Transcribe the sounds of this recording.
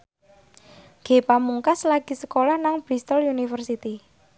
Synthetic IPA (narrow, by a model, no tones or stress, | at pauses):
ɡ̥e̤pamuŋkaslaɡ̥i̤səkolahnaŋb̥ɾist̪əlunifərsit̪i